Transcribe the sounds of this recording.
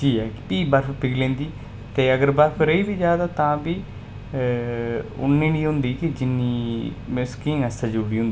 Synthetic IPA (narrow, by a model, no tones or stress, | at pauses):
t͡ʃiːɛːpiːbəɾfpɪɡlẽːnd̪iː | t̪eːəɡəɾbəɾfʰɾəiːbiːd͡ʒjaːd̪aːt̪ãːbiː | ʊ̰nːiːniːɦʊ̃nd̪iːkɪd͡ʒɪnːiː | mɪskĩːŋɛst̪ãd͡ʒʊːɽiːɦʊ̃nd̪i